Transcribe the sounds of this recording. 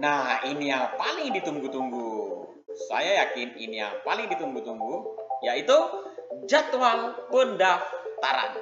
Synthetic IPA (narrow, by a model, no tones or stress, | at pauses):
nahinijaŋpalɪŋdit̪uŋɡut̪uŋɡu | sa̰jajakɪnḭnija̰ŋpalɪŋdit̪uŋɡut̪uŋɡujait̪ud͡ʒat̪waŋbəndaft̪aɾa̰n